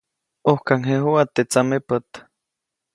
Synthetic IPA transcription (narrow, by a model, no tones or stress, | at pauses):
ohkaŋeɦuat̪et͡samepət̪